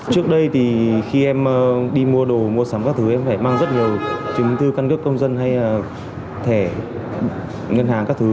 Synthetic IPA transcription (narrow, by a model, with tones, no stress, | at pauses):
t͡ɕɨ˦˥ək̚ɗə˧jt̪ʰi˨˩xi˧ʔɛ˧mː˧ɗi˧mu˧əɗo˨˩mu˧əsa˨˦mkaː˦˥k̚t̪ʰɨ˨˦ʔɛ˧mfaː˧˩jmaː˧ŋzə˦˥t̚ŋi˨˩əwt͡ɕɨ˨˦ŋ͡mt̪ʰɨ˧ka˧nkə˦˥kːə˧wŋ͡mzə˧nɦa˧jː | t̪ʰe˧˩ | ŋə˧nhaː˨˩ŋkaː˦˥k̚t̪ʰɨ˨˦